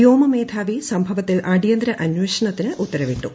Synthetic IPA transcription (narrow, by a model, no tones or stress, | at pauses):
joːmɐmeːd̪ʰʱaːʋisɐmbʱɐʋɐt̪ːilʔɐɽijɐnd̪ɾɐʔɐnweːʂɐɳɐt̪ːinɨʔut̪ːɐɾɐʋiʈːu